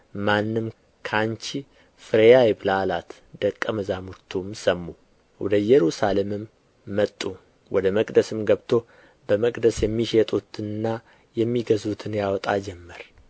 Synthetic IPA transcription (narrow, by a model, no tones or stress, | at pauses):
manːɨm | kʰant͡ʃi | fɨɾejajbɨlalat̪ | d̪əkʼːəməzamut̪ʰːumsəmːu | wɔ̰d̪əjɛɾusalemɨmː | ət̪ʼːu | wʔɔd̪əməkʼd̪əsɨmɡəβt̪ʰo̞ | bəməkʼd̪əsjɛmːiʃet̪ʼut̪ʰɨnɨnːa | jɛmːiɡəzut̪ʰɨnjawɔt̪ʼad͡ʒɛmːəɾ